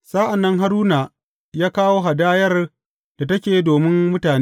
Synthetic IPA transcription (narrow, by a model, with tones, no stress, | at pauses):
saː˦ʔa˨nːɐ˦ŋɦa˦ɾuː˦naː˨ | jaː˦kaː˦woː˦ɦa˨daː˦jɐ˦r | d̥a˨tɐ˦kʲeː˨˦doː˨mɪ˦mmʊ˦taː˨ne˦